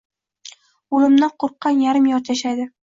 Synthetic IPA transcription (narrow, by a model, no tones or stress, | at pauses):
ulˠɪmnaqʰoɾqːɑnjaɾɪmjɒɾt̪jaʃajd̪ɪ